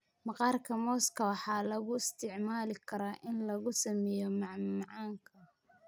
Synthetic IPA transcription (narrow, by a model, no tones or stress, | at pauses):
mɑqɑːrkʰɐmɔːskʰɐwɑħɑːlɐɣʊɪst̪ʰɪʕmaːlɪkʰɐɾaːʔɪnlɐɣʊsɐmɛjɔmɑʕmɑʕɑːŋkʰɐ